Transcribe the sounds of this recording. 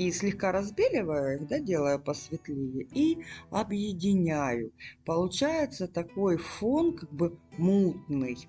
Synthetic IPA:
isʲlʲɪxkaɾɐzbʲelʲɪvəjʊixd̪adʲe̞lˠəjʊpəsʲvʲɪt̪lʲivʲɪiɐbjɪdʲɪnʲæjʊpəlˠʊt͡ɕæjɪt̪sət̪ɐko̞jfo̞nkaɡ̚bɨmut̪nɨj

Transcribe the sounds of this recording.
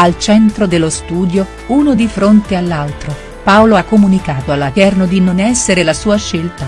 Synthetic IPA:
alt͡ʃɛnt̪ɾod̪elːost̪uːd̪jo | uːnod̪ifɾont̪ealːalt̪ɾo | paoloakːomunikaːt̪oalːat̪ɛrnod̪inonɛsːeɾelasuːaʃːelt̪a

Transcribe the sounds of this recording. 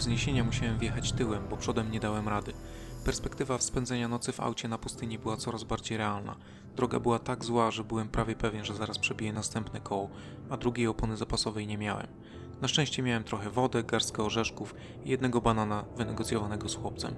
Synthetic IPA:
zɲeɕeɲamuɕawɛmvjɛxat͡ɕt̪ɘwɛmbɔpʂɔd̪ɛmɲɛd̪awɛmɾad̪ɘpɛɾspɛkt̪ɘvafspɛnd̪zɛɲanɔt̪sɘva̰wt͡ɕɛnapust̪ɘɲibɘwat̪sɔɾazbaɾd͡ʑejɾɛalna̰ | d̪̥ɾɔɡa̰bɘwat̪aɡzwaʐɛbɘwɛmpɾʔavʲjɛpɛvʲjɛnʐɛzaɾaspʂɛbʲijɛnast̪ɛmpnɛkɔwɔ | ad̪ɾuɡʲejɔpɔnɘzapasɔvɛjɲɛmʲjawɛ̰m | naʂt͡ʂɛ̃w̃ɕt͡ɕɛmʲjawɛmt̪ɾɔxɛvɔd̪ɛɡaɾst̪kɛɔʐɛʂkuf | ijɛd̪nɛɡɔbananavɘnɛɡɔt̪sʲjɔvanɛɡɔsxwɔp̚t̪sɛ̰m

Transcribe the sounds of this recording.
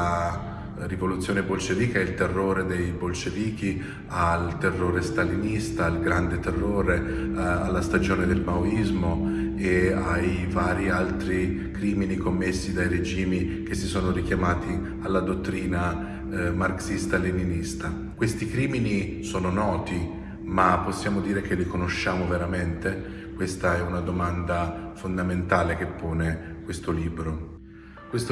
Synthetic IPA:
a | rivolut̪sːjoːnebolʃeviːkaɛilt̪erːoːɾed̪ejbolʃeviːk̟i | alt̪erːoːɾest̪alinist̪aːlɡɾand̪et̪erːoːɾea̰lːast̪ad͡ʒoːned̪elmauizmo | eajvaːɾialt̪ɾi | kɾiːminikomːesːid̪ajɾed͡ʒiːmikesːisoːnoɾik̟jamaːt̪i | alːad̪ot̪ːɾiːna | marksist̪aleninist̪a | kwest̪ikɾiːminisoːnonɔːt̪i | mapːosːjaːmod̪iːɾekelikonoʃːaːmoveɾament̪e | kwest̪aɛunad̪omand̪afond̪ament̪aːlekepːoːnekwest̪oliːbɾo | kwest̪o

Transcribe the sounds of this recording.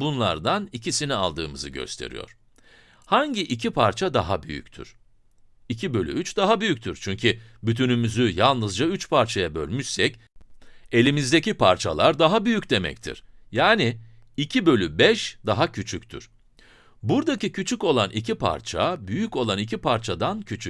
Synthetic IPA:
bunlˠa̰ɾd̪anicʰisinialˠd̪ɯ̰ːmɯzɯ̰ɟø̰st̪ʰe̞̰ɾḭjo̞̰ɾ̝̥ | haɲɟiʔicʰipʰaɾt͡ʃʰad̪aɦaby̰jy̰c̚t̪ʰy̰ɾ̥ | icʰibø̞lʲy̰yt͡ʃd̪aɦabyjyc̚ʲt̪ʰyɾt͡ʃʰyɲcʰybyt̪ʰynymyzyjalˠnɯzd͡ʒayt͡ʃpʰaɾt͡ʃʰajabø̞̰lʲmyʃsːɛc | e̞lʲimizd̪e̞cipʰaɾt͡ʃʰa̰lˠaɾd̪aɦabyjycʲd̪e̞mɛ̰c̚t̪ʰḭɾ̥jaːniicʰibø̞lʲybɛʃd̪aɦacʰyt͡ʃʰyk̚t̪ʰy̰ɾ̥ | buɾd̪acicʰyt͡ʃʰyko̞lˠanʔicʰipʰa̰ɾt͡ʃʰa̰byjyco̞lˠanicʰipʰaɾt͡ʃʰad̪ancʰyt͡ʃʰyc

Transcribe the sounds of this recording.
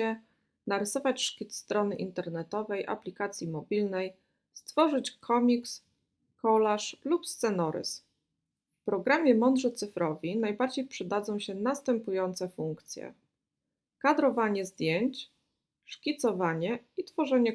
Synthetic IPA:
ɛ | naɾɘsɔvat͡ɕʂkʲit̪st̪ɾɔnɘʔḭnt̪ɛɾnɛt̪ɔvɛjʔa̰plʲikat̪sʲjimɔbʲilnɛj | st̪fɔʐɘt͡ɕkʰɔmʲiks | kɔlaʂlupst̪sɛnɔɾɘ̰s | fpɾɔɡɾamʲjɛmɔnd̪ʐɔt̪sɘfɾɔvʲinajbaɾd͡ʑejpʂɘd̪ad̪zɔ̃w̃ɕɛnast̪ɛmpujɔnt̪sɛfuŋkt̪sʲjɛ̰ | kad̪ɾɔvaɲɛzd̪ʲjeɲt͡ɕ | ʂkʲit̪sɔvaɲɛit̪fɔʐɛɲɛ

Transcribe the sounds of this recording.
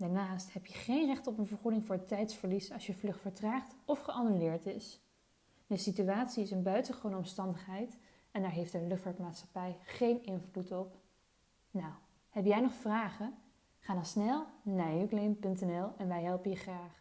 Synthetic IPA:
d̥aːɹnaːstɦɛpjəχejnrɛχtɔpənvəɹχudɪŋvʊːɹətɛjtsfəɹlisɑlˠsjəvlɵχtfəɹtraːχtɔfχəʔɑnylɪːɹtɪs | dəsityaːtsiɪsənbœɥtəχrownəɔmstɑndəχɦɛjt | ɛnɛːɹɦejftdəlɵχfəɹtmaːtsχɑ̥pɛjχejnɪnvlutɔp | naw | hɛpjɛjnɔχfraːχə | χaːdansnɛlˠnaːjyklempɵntɛnɛlˠɛnʋɛjɦɛlˠpəjəχraːχ

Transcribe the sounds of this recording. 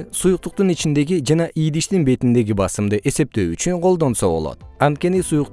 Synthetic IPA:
sujuq̚t̪uq̚t̪unit͡ʃind̪e̞ɡid͡ʒɑnɑʔijd̪iʃt̪inbe̞t̪ind̪e̞ɡibɑsɯmd̪ɯʔe̞se̞p̚t̪e̞yt͡ʃynqʰo̞lˠd̪o̞nso̞̰bo̞̰lˠo̞̰t̪ɑnt̪̚ke̞nisujuq̪

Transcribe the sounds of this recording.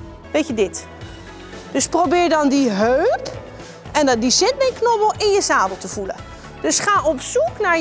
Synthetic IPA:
ʋejtədɪt | d̥ɵsprobɪːɹdɑndiɦøɥp | ɛndizɪt̚bɛjknɔbəlˠɪnjəzaːdəlˠtəv̥ulə̰ | d̥ɵsχaːʔɔpsuknaː

